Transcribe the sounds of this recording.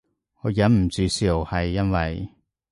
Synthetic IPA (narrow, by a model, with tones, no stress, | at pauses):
ŋɔː˨˧jɐ˨˥nm̩˨˩t͡syː˨˧si˨˩whɐ˨jːɐ˥nwɐ˨j